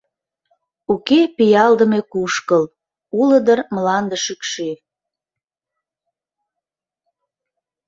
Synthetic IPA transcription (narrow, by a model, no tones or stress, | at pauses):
ukepijɑld̪əmekuʃkəl | uləd̪ərmlɑnd̪əʃykʃe